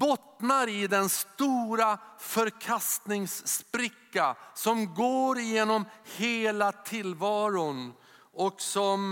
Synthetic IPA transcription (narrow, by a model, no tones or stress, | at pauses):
bɔt̪naɾɪd̪ɛnst̪uːɾafœɾkʰast̪nɪŋsːpɾɪkːasɔmɡoːɾjeːnɔmheːlat̪ʰɪlvɑːɾʊn | ɔksɔm